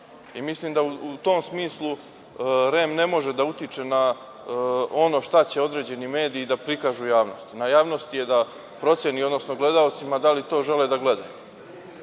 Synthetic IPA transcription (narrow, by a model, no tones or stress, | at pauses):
imisliːmd̪auut̪o̞ːmsmiːslˠu | ɾemne̞mo̞ʒe̞d̪aut̪it͡ʂe̞na | o̞no̞ʃt̪at͡ɕe̞o̞d̪ɾe̞ːd͡ʑe̞nime̞ːd̪iːd̪apɾikaːʒujaːʋno̞st̪inajaːʋnost̪ije̞d̪a | pɾo̞t̪sʲjeniod̪no̞sno̞ɡle̞d̪ao̞t̪simad̪alit̪o̞ːʒe̞led̪aɡle̞d̪a̰ju